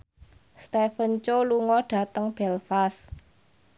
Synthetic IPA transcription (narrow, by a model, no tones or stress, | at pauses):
st̪efənt͡ʃoluŋɔɖ̥ä̤t̪əŋb̥ɛlfas